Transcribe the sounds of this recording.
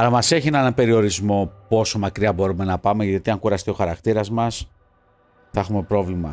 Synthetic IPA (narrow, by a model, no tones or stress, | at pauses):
ɐlɐmɐse̞çienenɐmpe̞ɾio̞ɾizmo̞po̞so̞mɐkɾiɐbo̞ɾume̞nɐpɐme̞ʝɐt̪iɐŋkuɾɐst̪eo̞xɐɾɐkt̪iɾɐzmɐs | θɐexume̞pɾo̞vlimɐ̰